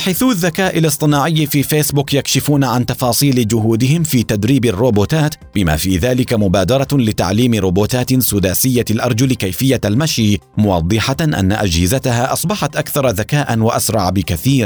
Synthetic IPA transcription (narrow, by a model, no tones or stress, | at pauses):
ħaːθuːðːakaːʔɪlɨsˤt̪ˤɨnaːʕɪjːfiːfeːsbʊːkjakʃɪfuːnaʕant̪ɑfɑːsˤiːlɪd͡ʒʊhuːd̪ɪhɪmfiːt̪ad̪ɾiːbarːoːboːt̪aːt̪ | bɪma̰ːfiːðaːlɪkamʊbaːd̪ɑɾˤɑlɪt̪a̰ʕliːmɪɾoːboːt̪aːt̪sʊd̪aːsɪjːalʔɑɾˤd͡ʒʊlkajfɪjːalmaʃiː | mʊwɑ̰d̪ˤːɨħaʔa̰nːa̰ʔad͡ʒhɪzat̪ahaːʔɑsˤbɑħat̪ʔakθɑɾˤðakaːʔanwaʔasɾˤɑʕbɪkaθiːɾ